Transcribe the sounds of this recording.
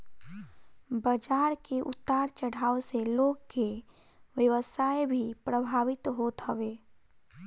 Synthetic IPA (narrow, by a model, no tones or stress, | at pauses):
bəd͡ʒaːɾkeʔʊ̰t̪ːaːɾt͡ʃəɽ̤aːoseloːɡke | ʋjəʋəsaːebʱipɾəbʱaːʋɪt̪ɦoːt̪ɦəʋeː